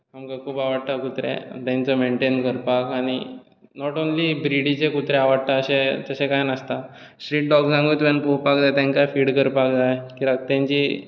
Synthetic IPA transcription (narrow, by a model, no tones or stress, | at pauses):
hamkakʰuːpaʋəɽt̪akut̪ɾḛt̪jãɲt͡səmeɳʈenkəɾpakaɽ̃i | nɔʈonlibɾiɽit͡ɕekut̪ɾeaʋəɽt̪aəɕẽt̪əɕẽkajnəst̪a | sʈɾiːʈ̚ɖɔɡsãŋɡuːt̪ʋɛnpopakd͡zajt̪ãŋkajfiːɽkəɾpakd͡zajekiːɾak̚t̪jãɲt͡ɕi